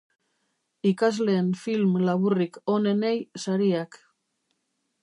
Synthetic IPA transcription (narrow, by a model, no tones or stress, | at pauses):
ikazle̞ːnfilmlaβuriko̞ne̞ne̞jsaɾiak